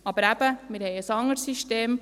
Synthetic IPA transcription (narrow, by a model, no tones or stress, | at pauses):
ɑb̥əɾæb̥əmɪɾhɛɪəsɑŋəɾsiʃteːm